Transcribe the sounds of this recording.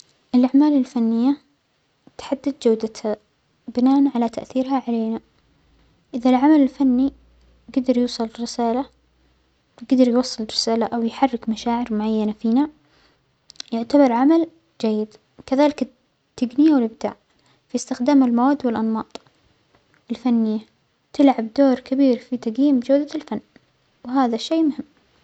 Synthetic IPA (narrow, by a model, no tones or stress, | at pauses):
ʔɪlʔaʕmaːlɪlfanːɪjːa | t̪ḁħad̪ːad̪̚d͡ʒawd̪at̪ha | bɪnaːʔanʕalat̪aʔθiːɾɦaʕaleːna | ʔɪðalʕamalɪlfanːi | ɡad̪ɑɾjuːsˤɨlrːɪsaːla | ɡad̪ɑɾjwɑsˤːɨlrɪsaːlaʔawjħarːɪkmaʃaːʕɪɾmʊʕajːanafiːna | jʊʕt̪abɑɾˤʕamal | d͡ʒajːɪd̪ | kaðaːlɪkɪ | t̪ːaɡnɪjawɪlʔɪbd̪a̰ːʕ | fist̪ɪxd̪aːmɪlmawaːd̪ːwɪlʔɑnmɑːt̪ˤ | ɪlfanːɪjːa | t̪ɪlʕabd̪oːɾkabiːɾfit̪aɡjiːmd͡ʒawd̪alfanː | wɪɦaːðaʃeːmʊhɪmː